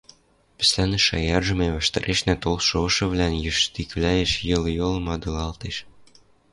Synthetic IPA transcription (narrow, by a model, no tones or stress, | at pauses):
pɘ̥̆sʲlʲænɘ̆ʃɑjɑrʒɤ̆meβæ̆ʃt̪ɘ̆ɾʔeʃnʲæt̪olʃoʃɤ̆βlʲænjɘ̆ʃt̪iklʲæjĕʃjɤ̆ljolˠɤ̆mɑd̪ɤlɑlˠt̪eʃ